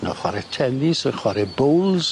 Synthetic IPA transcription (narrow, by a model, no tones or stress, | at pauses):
nɔ̰χwaɾɛtʰɛnisəχwaɾɛbowlˠz̥